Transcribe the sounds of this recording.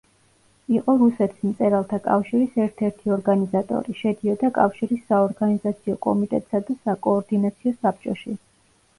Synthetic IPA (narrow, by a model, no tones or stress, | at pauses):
iqʼɔɾusɛt̪ʰi̥smt̪sʼɛɾalˠt̪ʰakʼa̰fʃiɾisɛɾt̪ʰɛɾt̪ʰiɔɾɡanizat̪ʼɔ̰ɾiʃɛd̪iɔd̪akʼafʃiɾisːaɔɾɡanizat̪sʰiɔkʼɔ̰mit̪ʼɛ̰t̪ʼsad̪asakʼɔːɾd̪inat̪sʰiɔsap̚t͡ʃʼɔ̰ʃi